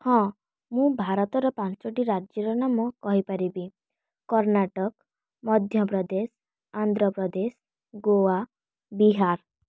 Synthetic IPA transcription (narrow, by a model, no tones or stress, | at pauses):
hɔ̃ | mũbʱaɾɔt̪ɔɾɔpãt͡ʃt͡ʃoʈiɾad͡ʒjɔɾɔnamɔkɔɦipaɾibi | kɔɾnaʈɔk | mɔd̪ʱjɔpɾɔd̪es | and̪ɾɔpɾɔd̪es | ɡoa | biɦaɾ